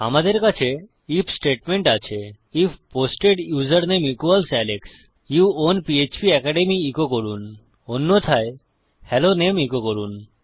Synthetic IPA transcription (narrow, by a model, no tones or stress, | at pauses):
a̰mad̪eɾkat͡ɕʰe | ipʰsʈeʈmeɳʈat͡ɕʰe | ipʰposʈeɖjuzəɾnemikualsɛleks | juonpiet͡ɕbiɛkaɖemiikokoɾun | onːot̪ʰae | hɛlonemikokoɾun